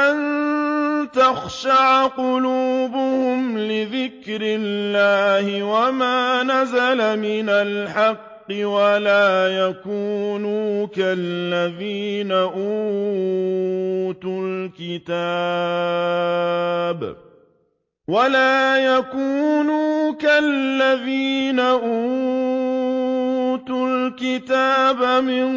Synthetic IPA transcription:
ʔan | t̪axʃaʕqʊluːbʊhʊmlɪðɪkɾɪlːaːhɪwamaːnazalamɪnalħɑqːɪwalaːjakuːnuːkalːaðiːnaʔuː | t̪ulkɪt̪aː | b | walaːjakuːnuːkalːaðiːnaʔuː | t̪ulkɪt̪aːbamɪn

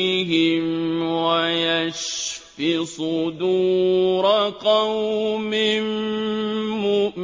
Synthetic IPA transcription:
ɦɪmwajaʃfɪsˤʊd̪uːɾɑqɑwmɪm

